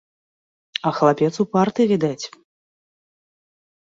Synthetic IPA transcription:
ɐxɐlˠapʲɛt̪supart̪ɨvʲid̪at͡sʲ

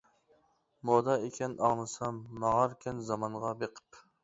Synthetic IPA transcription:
mod̪ɑekʲɛnʔɑʁnɨsɑmːɑʁɑɾkʲʰɛnzɑmɑɴʁɑbeqʰə̥p

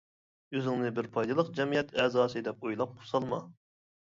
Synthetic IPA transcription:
øzɪŋnɨbɪɾpʰɑjd̪ɨlˠəqd͡ʒɛmijɛt̪ɛːzɑːsɨd̪ɛp̚ojlˠɑp̚qʰʊ̥sɑlˠmɑ

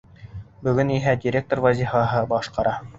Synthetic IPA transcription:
bɵ̆ɡɵniɦædʲɪɾʲek̚t̪orvæzʲifɑɦɤbɑʃqɑɾɑ

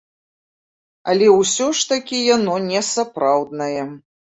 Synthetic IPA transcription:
ɐ̰lʲɛwsʲɔʂt̪ɐkʲijanɔnʲɛsapɾawd̪nɐjɛ

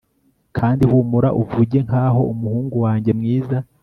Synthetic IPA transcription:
kʰaːndihuːmuɾaʔuvuɟe̞ŋhaːɦo̞umuhuːŋɡuwaːɲɟe̞mŋiːza

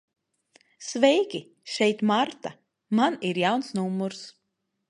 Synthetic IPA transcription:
svɛjkʲi | ʃɛjt̪maɾt̪a | maniɾjawnsnumːuɾs

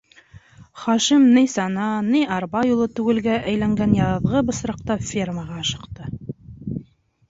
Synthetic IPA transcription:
χɑʃimnɘjsɑnɑnɘjɑɾbɑjulˠɤt̪ʉɡɘ̆lɡæʔæjlæŋɡænjɑʁɤ̆ðʁɤbɤ̆sɾɑq̚t̪ɑfʲerməʁɑɑʃɤ̆qt̪ɤ

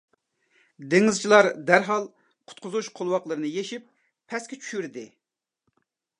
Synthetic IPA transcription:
d̪eŋɨzt͡ʃʰilˠɑɾd̪æɾɦɑlˠ | qʰʊ̥t̪̚qʰʊzuʃqʰolˠwɑqlˠəɾɨnɨjeʃip̚ʰː | ɛskʲɛt͡ʃʰy̥ʃyɾd̪ɪ

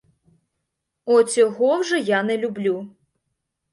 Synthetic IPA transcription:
ɔt͡sʲɔɦɔwʒɛjanɛlʲʊblʲu

